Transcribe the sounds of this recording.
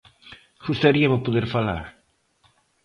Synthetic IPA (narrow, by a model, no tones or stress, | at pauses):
ʃust̪aɾiɐmʊpoðeɾfala̰ɾ